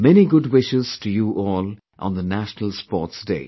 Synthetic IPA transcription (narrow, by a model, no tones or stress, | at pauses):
mɛniɡʊdwɪʃɪz̥tʰujuʔɔːl | ʔə̰̃nðənæʃnəl̩ˠspɔːtsdeɪ